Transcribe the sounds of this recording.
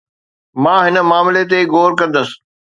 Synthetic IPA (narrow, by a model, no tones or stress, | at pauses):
mãːɦɪnə̆maːmɪlet̪̬eɡoːɾkɐ̃nd̪əsɪ̥̆